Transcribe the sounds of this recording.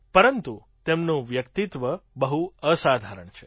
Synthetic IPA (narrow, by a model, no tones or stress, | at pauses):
pəɾənt̪u | t̪emnũʋjəkt̪it̪ʋəbəɦuəsad̪ʱaɾəɳt͡ʃʰe̥